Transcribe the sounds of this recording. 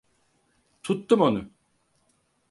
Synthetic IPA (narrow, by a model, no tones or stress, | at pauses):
t̪ʰut̪ːumo̞nu